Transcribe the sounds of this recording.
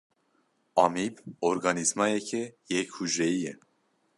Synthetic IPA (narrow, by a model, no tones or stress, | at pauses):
ɑmiboɾɡɑːnizmɑjɛcʰɛjɛkhuʒɾɛjijɛ